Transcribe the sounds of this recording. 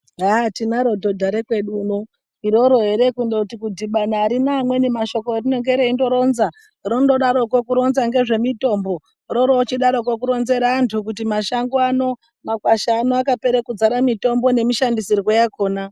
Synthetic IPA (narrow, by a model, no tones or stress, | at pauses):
atinaɾo̞dʱodʱaɾekwe̞ɗuno | iɾo̞ɾoɦe̞ɾe̞kundotikudiɓanaːɾinamwe̞nemaʃo̞korino̞ŋɡeɾeindo̞ɾo̞nza | rondoɗaɾokwokuɾo̞nzaŋɡe̞ʐe̞mito̞mbo̞ | ɾo̞ɾoːt͡ʃiɗaɾok̬wok̬uɾo̞nze̞ɾaːntʰukutimaʃaŋɡoano̞ | makwaʃaːnoakape̞ɾekud͡zaɾamito̞mbo̞ne̞miʃandisirwojakoːna